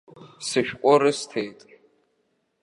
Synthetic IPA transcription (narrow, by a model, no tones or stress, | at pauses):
sɨʃᶣqʷʼɔɾɨstʰejtʼ